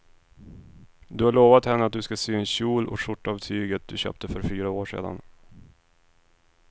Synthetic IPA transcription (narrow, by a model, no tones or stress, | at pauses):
d̪ɵhaɭoːvat̪hɛnːəat̪̚d̪ɵskasyːɛnɕuːlɔ̰ʂʊʈːavt̪ʰyːɡət̪̚d̪ɵɕø̰ːp̚t̪əfœɾfyːɾaoːʂḛːd̪a̰n